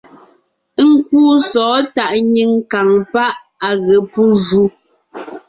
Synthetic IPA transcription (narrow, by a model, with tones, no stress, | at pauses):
ŋ̩˦k̚uː˦sɔː˨˦ta˨ʔɲi˦ŋka˨ŋpa˦ʔ | a˨ɣɛ˨pu˦ʒu˦